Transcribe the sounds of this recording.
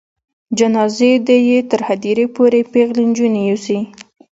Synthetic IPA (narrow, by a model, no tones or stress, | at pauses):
d͡ʒanɑzed̪əjet̪əɾhad̪iɾepoɾepeɣlind͡ʒunejusi